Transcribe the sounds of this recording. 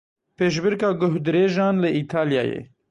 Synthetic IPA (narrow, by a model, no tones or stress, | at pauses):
peːʃ̬bɪɾkaːɡʊɦd̪ɾeːʒaːnləit̪ʰaːlija̰ːjḛː